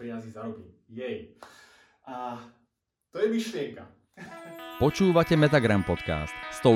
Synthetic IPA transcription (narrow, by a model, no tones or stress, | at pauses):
ɾiazizaɾɔki | jɛj | ʔa | t̪ɔjɛmiʃlɪɛŋka | pɔt͡ʃuːʋacɛmɛt̪aɡɾampɔt̪ka̰ːst̪st̪ɔ